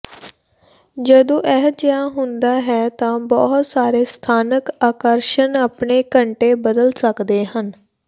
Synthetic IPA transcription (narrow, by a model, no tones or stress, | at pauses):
d͡ʒəd̪õːʔɛːɦd͡ʒəjãːɦʊ̃nd̪aːɦɛːt̪ãːbɔːɦt̪saːɾeːst̪ʰaːnəkaːkəɾʃənaːpɳeːkəɳʈeːbəd̪əlsəkd̪eːɦən